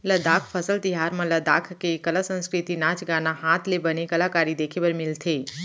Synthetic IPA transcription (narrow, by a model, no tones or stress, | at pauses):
ləd̪akʰpʰəsəlt̪iɦaɾmə̃ləd̪akʰkekəlasə̃nskɾɪt̪inaːt͡ʃɡanaɦat̪ʰlebənekəlakaːɾid̪ekʰebəɾmɪlt̪ʰe